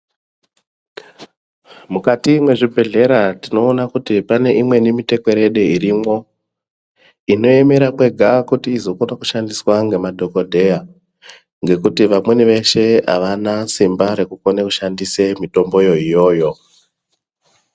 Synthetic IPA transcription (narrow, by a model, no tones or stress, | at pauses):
mukatimwe̞ʐibʱe̞ɮe̞ɾatino̞ːnakutipane̞ʔimwe̞nimite̞ke̞ɾeɗeiɾimo̞ | ino̞e̞me̞ɾakwe̞ɡʱakutiːzo̞konaku̥ʃandiswaŋɡe̞madʱo̞ko̞dʱe̞ja | ŋɡe̞kutiʋamwe̞niʋe̞ʃe̞a̰ʋanasimbaɾe̞kukonekuʃandisemito̞mbo̞jo̞ijo̞ːjo̞